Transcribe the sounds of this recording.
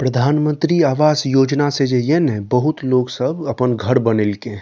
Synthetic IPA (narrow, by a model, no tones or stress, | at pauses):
pɾɐd̪ʱaːnmə̃nt̪ɾiaːʋaːsjoːd͡ʒnased͡ʒejenẽbɐɦʊt̪loːɡsəbɐpənɡʱɐɾbɐnɪlke